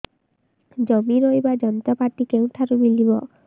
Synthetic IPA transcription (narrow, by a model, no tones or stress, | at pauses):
d͡ʒɔmiɾojbad͡ʒɔnɔt̪apaʈikew̃ʈʰaɾubilibɔ